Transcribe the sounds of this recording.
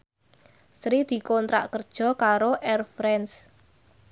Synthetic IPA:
sɾid̪̥i̤kɔnt̪ɾa̰ʔkərd̥ʒ̥ɔ̤kaɾoʔɛrfɾɛns

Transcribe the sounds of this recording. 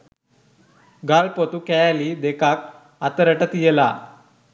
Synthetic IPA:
ɡalpot̪ukɛjaliːd̪ekak̚ | at̪əɾəʈət̪jela

